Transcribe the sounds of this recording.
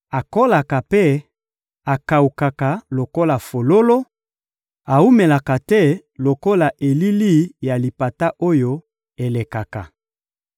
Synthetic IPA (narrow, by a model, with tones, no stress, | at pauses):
a˨ko˦la˨ka˨pe˦ | a˨ka˨u˨ka˨ka˨lo˨ko˦la˨fo˨lo˦lo˦ | a˨u˦me˨la˨ka˨tɛ˦˨ | lo˨ko˦la˨ʔe˨li˦li˦˨ja˨li˨pa˨ta˦ʔo˦jo˦ | e˨le˨ka˨ka˨